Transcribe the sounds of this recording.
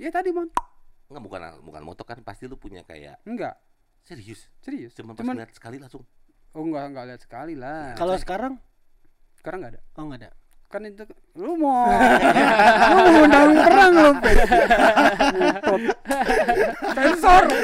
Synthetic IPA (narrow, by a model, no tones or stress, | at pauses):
jat̪adimanŋɡaʔbuka̰na̰buka̰nmɔ̰t̪ɔkanpast̪ilʊpuɲa̰ka̰ja̰ʔŋɡa̰ʔ | sɛɾiʊssiɾiʊst͡ʃumant͡ʃumanliat̪̚sə̥kalilasʊŋɔŋɡaŋɡaliat̪̚sə̥kalilakalosə̥kaɾaŋ | sə̥kaɾaŋɡaːdaɔŋɡada̰ | kanit̪u | lumɔ | lumaandawɪŋpəɾaŋlopa | pɔ | pɛnsɔr